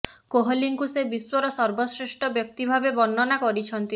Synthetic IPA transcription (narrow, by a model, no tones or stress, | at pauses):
koɦɔliŋkusebiswɔɾɔsɔɾbɔsɾisʈʰɔbjɔk̚t̪ibʱabebɔnːɔnakɔɾit͡ʃʰɔnt̪i